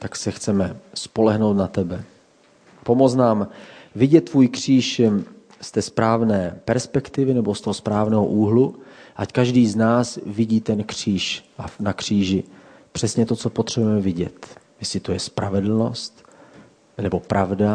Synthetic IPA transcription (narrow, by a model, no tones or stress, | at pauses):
t̪aksɛxt͡sɛmɛspo̞lɛɦnowt̪nat̪ɛbɛ | po̞mot͡snaːmvɪɟɛt̪ːvuːjkr̝̥iːʃ | st̪ɛːspɾaːvnɛːpɛɾspɛkt̪ɪvɪnɛbo̞st̪oɦospɾaːvnɛːɦo̰ʔuːɦluʔackaʒdiːznaːsvɪɟiːt̪ɛnkr̝̥iːʃanakr̝̥iːʒɪ | pr̝̥ɛsɲɛt̪o̞t͡so̞pot̪r̝̥ɛbujɛmɛvɪɟɛ̰t̪ | jɛsɪt̪ojɛspɾavɛdl̩no̞̰st̪ | nɛbo̞pɾʔavda